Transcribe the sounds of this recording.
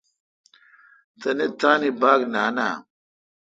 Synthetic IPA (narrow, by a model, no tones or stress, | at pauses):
tanetanibaɡnana̰